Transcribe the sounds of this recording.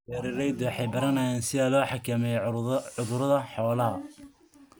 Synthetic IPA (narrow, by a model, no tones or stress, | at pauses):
ɛɾɪrɛjd̪ɛwħɑjbɐɾɐnɐjaːnsɪðalɔːħɑkʰɐmɛjʊðʊɾɐðɐħɔːlɐɦɐ